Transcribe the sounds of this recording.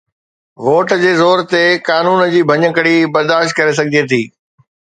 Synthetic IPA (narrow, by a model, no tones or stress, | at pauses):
ʋoːʈd͡ʑeːzoːɾt̪ekaːnuːnd͡ʑiːbʱɐɲəkəɽibɐɾd̪aːʃt̪̚kɐɾes̬ɐɡʱɪd͡ʑet̪ʰiː